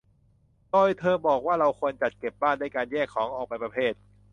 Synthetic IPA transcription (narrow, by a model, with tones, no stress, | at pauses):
doː˧jt̪ʰɤː˧bɔː˨˩k̚waː˥˩ɾa˧wkʰu˧ənt͡ɕa˨˩t̪̚ke˨˩p̚baː˥˩ndaː˥˩jkaː˧njɛː˥˩kʰːɔː˩˦ŋʔɔː˨˩pa˧jpɾa˧pʰeː˥˩t̪̚